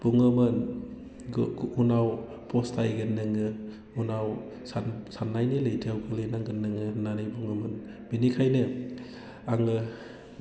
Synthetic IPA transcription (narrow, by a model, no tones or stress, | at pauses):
b̥uŋɯmɯn | unaw | pʰostʰajɡɯnːɯŋɯ | unaw | sasanːajnilɯjtʰawɡɯlɯjnaŋɡɯnːɯŋɯnanɯjbuŋɯmɯnbinikʰajnɯ | aŋɯ